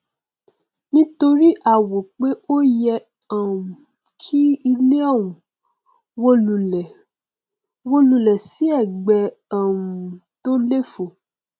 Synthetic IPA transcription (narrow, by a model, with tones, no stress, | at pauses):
nĩ˦to˧ɾi˦ʔa˦˨wo˨k͡pe˦o˦jɛ˧ | a˨ũ˨ | kʰi˦i˧le˦ɔ˦˨wũ˨ | wo˦lu˨ɛ˨ | wo˦lu˧lɛ˨si˨˦ɛ˦˨ɡ͡bɛ˨ | ã˨wũ˨to˦le˦˨fo˨